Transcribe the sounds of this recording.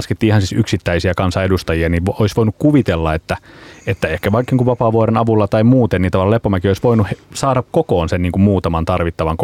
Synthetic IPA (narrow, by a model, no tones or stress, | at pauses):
sket̪ːiːihɑnsisyksit̪ːæisiækɑnsɑedust̪ɑjiɑniʋoisʋoinukkuʋit̪elːɑet̪ːæet̪ːæehkæʋɑikːiːŋkuʋʋɑpɑːʋoɾenɑʋulːɑt̪ɑimuːt̪enniːt̪ɑʋɑlːɑlepːomækioisʋoinuhesɑːdɑkkokoːnsenniːŋkummuːt̪ɑmɑnt̪ɑrʋit̪ːɑʋɑŋk